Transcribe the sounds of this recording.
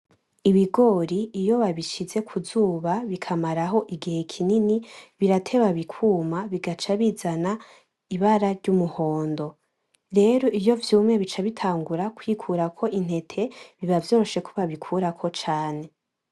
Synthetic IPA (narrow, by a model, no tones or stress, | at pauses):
iβiɡo̞ɾiːjo̞βaβiʃize̞kʰuzuːβaβikʰamaɾaɦo̞ʔiɡihe̞kʰininiβiɾatʰe̞βaβikʰuːmaβiɡat͡ʃaβizana | iβaɾaɾɟumuho̞ːndo̞ | ɾe̞ɾo̞ijo̞vjuːmŋe̞βit͡ʃaβitʰaːŋɡuɾakwikʰuɾakʰo̞ʔin̥he̞tʰe̞βiβavjo̞ːɾo̞ʃe̞kʰuβaβikʰuɾakʰo̞t͡ʃaːne̞